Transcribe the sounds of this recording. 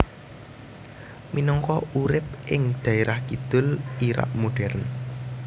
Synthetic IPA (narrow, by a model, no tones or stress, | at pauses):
minɔŋkɔuɾɪp̚ʔɪŋd̪̥ä̤eɾahkid̪̥ʊ̤liɾa̰ʔmoɖ̥ɛrn